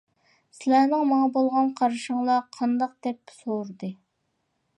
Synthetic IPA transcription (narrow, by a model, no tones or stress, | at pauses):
sɪlæɾnɪŋmɑŋɑbolˠʁɑnqʰɑɾɨʃəŋlˠɑqʰɑnd̪ɑq̚d̪ɛpːsoɾd̪ɨ